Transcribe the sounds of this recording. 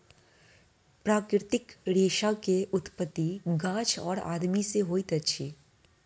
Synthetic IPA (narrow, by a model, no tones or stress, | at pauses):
pɾaːkɾɾɪt̪ɪkɾeːʃakeʔʊt̪pət̪ːiɡãːt͡ʃʰɔ̰ːɾa̰ːd̪miseɦoːit̪ɐtːʃʰiː